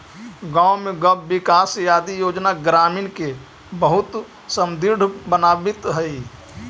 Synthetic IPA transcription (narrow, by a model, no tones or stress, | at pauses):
ɡãːwmẽɡɐbːɪkaːsjaːd̪ijoːd͡ʒnaɡɾaːmɪːnke | bəɦʊt̪ | səmd̪ɪɾɖbənaːbɪt̪ɦɛi